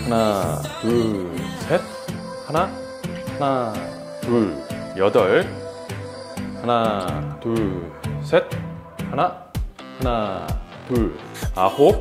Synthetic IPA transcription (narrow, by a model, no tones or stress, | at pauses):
hanat̪usʰet̚ | hana | hana | t̪ujʌd̪ʌɭ | hanat̪u | sʰet̪̚hana | hana | t̪uahop̚